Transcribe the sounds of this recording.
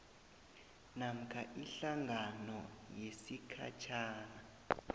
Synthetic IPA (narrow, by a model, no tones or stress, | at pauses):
nam̩kʰaʔiɬaŋʱanɔjesikʰa̰t͡ʃʰaːna